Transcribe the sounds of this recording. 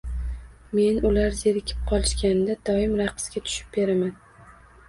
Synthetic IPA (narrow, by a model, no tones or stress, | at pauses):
me̞nʊlaɾzeɾɪkʲʰɪ̥p̚qʰɒlˠɪʃkʲand̪ad̪̥ɒɪmɾaqɨ̥sɡʲat̪ʰʊ̥ʃɪ̥p̚be̞ɾaman